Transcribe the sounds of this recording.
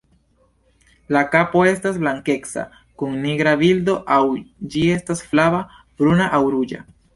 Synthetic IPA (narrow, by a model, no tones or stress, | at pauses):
lakapo̞e̞stazblaŋke̞ksa̰ | kuŋniɡɾavildo̞ʔawd͡ʒie̞stasflava | b̥ɾunaʔawɾud͡ʒa̰